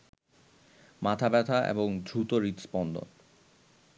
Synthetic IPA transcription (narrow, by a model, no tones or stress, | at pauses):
mat̪ʰabɛt̪ʰaʔḛboŋd̪ʱɾut̪oɾit̪spɔnd̪o̰n